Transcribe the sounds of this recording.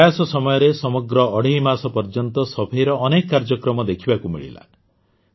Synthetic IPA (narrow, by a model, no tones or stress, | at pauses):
asɔsɔmɔjɔɾesɔmɔɡɾɔːɽʱiɦimasɔpɔɾd͡ʒɔnt̪ɔsɔbʱijɾɔʔːnekɔkːaɾd͡ʒɔkɾɔmɔd̪ekʰibakumḭɭḭla̰